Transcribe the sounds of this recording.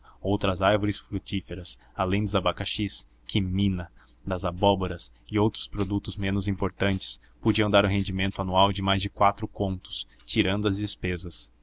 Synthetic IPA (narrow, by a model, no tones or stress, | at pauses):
owt̪ɾɐzaɾvoɾɪsfɾut͡ʃifeɾɐs | alẽj̃d̪ɪzabakaʃis | kʰɪmĩnɐ | d̪ɐzabɔboɾɐsɪowt̪ɾʊ̥spɾod̪ut̪ʊzmẽnʊzĩmpoɾt̪ɐ̃nt͡ʃɪ̥s | pod͡ʒiɐ̃w̃d̪aɾʊɦẽnd͡ʒimẽnt̪ʊanuawd͡ʒɪmajzd͡ʒɪkwat̪ɾʊkõnt̪ʊ̥s | t͡ʃiɾɐ̃nd̪ʊɐzd͡ʒɪspezɐs